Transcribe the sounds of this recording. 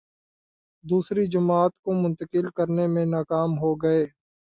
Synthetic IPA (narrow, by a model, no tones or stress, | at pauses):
d̪uːsɾid͡ʒʊmaːt̪komʊ̃nt̪əkɪlkəɾnemẽnaːkaːmɦoɡɐeː